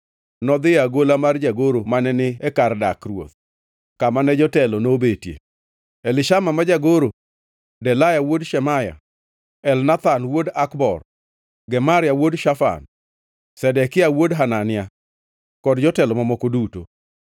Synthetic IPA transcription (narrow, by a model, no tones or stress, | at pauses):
nɔd̪ɪaɡolamard͡ʒaɡoɾomanɛnɪɛkardakrwo̰t̪ | kamanɛd͡ʒɔtɛlonobetjḛ | ɛlɪʃamamad͡ʒaɡoɾo | dɛlajawodʃɛmaja̰ | ɛlnat̪anwodakbɔ̰r | ɡɛmaɾɪjawodʃafa̰n | sɛdɛkɪawodɦananɪa | kɔdd͡ʒɔtɛlɔmamɔkoduto̰